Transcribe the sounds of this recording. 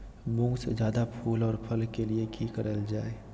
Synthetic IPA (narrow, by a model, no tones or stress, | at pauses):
bũŋɡsd͡ʒjaːd̪apʰuːlɔːɾpʰəlkeliekikəɾəld͡ʒaːe